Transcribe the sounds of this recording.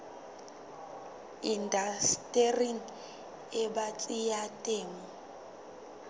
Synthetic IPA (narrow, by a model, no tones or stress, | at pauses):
indʱastʼeriŋ | ɛbat͡sʼijatʼeːmɔ